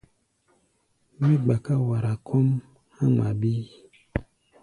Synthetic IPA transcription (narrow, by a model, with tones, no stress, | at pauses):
mi˦ɡ͡ba˨ka˦wa˨ɾa˨kʰɔ˦m | hã˦ŋa˨bi˦